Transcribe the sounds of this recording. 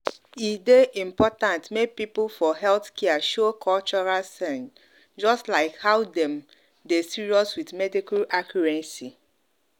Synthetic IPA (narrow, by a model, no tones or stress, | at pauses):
ideʔĩmpɔtãntmek̚pipulfɔhɛlθkɛaʃokʰɔlt͡ʃɔɹalsɛ̃n | d͡ʒɔstlaɪkhaʊdɛ̃m | desiɹiɔswitmɛdikulakʰjɔɹɛ̃nsi